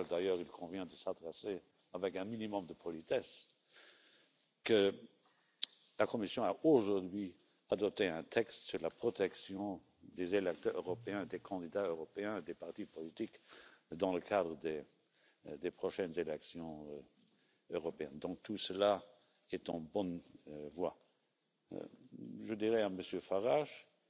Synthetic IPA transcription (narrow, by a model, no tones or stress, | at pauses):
ld̪ajœːʁilkʰɔ̃vjɛ̃d̪əsad̪ʁɛse | avɛkɛ̃minimɔmd̪əpʰɔlit̪ɛs | kə | lakɔmisjɔ̃aʔoʒuʁd̪ɥi | ad̪ɔp̚t̪eɛ̃t̪ʰɛkst̪syʁlapχɔt̪ɛksjɔ̃ | d̪ezelɛk̚t̪œʁøʁɔpeɛ̃d̪ekʰɑ̃d̪id̪aøʁɔpeɛ̃ed̪epaʁt̪ipɔlit̪ikd̪ɑ̃ləkʰad̪ʁəd̪e | d̪epχɔʃɛnzelɛksjɔ̃ | øʁɔpeɛnd̪ɔ̃k̚t̪ʰusəla | ɛt̪ɑ̃bɔnvwa̰ | ʒəd̪iʁɛaməsjøfaʁaʃ